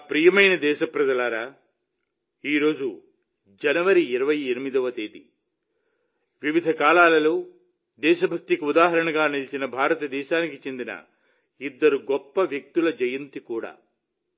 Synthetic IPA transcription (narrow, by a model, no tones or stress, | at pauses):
pɾijɐmɐjnɐd̪ɛːʃɐpɾɐd͡ʒɐlaːɾaː | iːɾo̞ːd͡ʒu | d͡ʒɐnɐʋɐɾiiɾɐʋɐjiɾimid̪ɐʋɐt̪eːd̪i | ʋiʋid̪ʱɐkaːlaːlɐlo̞ː | d̪ɛːʃɐbʱɐk̚t̪ikiud̪aːɦɐɾɐɳɐɡaːnilit͡ʃinɐbʱaːɾɐt̪ɐd̪ɛːʃaːnikit͡ʃe̞nd̪inɐ̰ | id̪ːɐɾuɡɔpːɐʋjek̚t̪ulɐd͡ʒɐjɐnt̪ikuːɽa̰ː